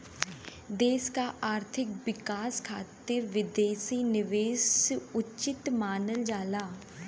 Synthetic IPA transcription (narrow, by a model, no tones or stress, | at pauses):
d̪eːskaːʔaːɾt̪ʰɪk̚ʋɪkaːskʰaːt̪ɪɾʋɪd̪eːsiːnɪʋeːsʊt͡ʃɪt̪maːnəld͡ʒaːlaː